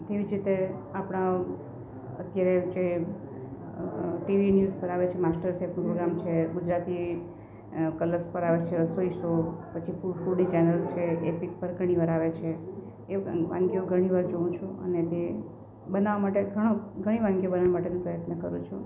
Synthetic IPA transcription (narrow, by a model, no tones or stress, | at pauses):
t̪eʋid͡ʒɾit̪eapɽ̃a | ət̪jaɾed͡ʒe | ʈiʋinjuzpəɾaʋet͡ʃʰemasʈəɾsepnũpɾoɡɾamt͡ʃʰeɡud͡ʒɾat̪i | kələɾspəɾaʋet͡ʃʰeəsoisopət͡ʃʰifufulnit͡ʃɛnəlt͡ʃʰeepik̚pəɾɡʱəɽ̃iʋaɾaʋet͡ʃʰe | eʋã̰ŋɡjoɡʱəɽ̃iʋaɾd͡ʒoũt͡ʃʰũə̰net̪e | bənaʋamaʈeɡʱəɽ̃oɡʱəɽ̃iʋãŋɡjobənaʋamaʈenũpɾəjət̪nəkəɾũt͡ʃʰũ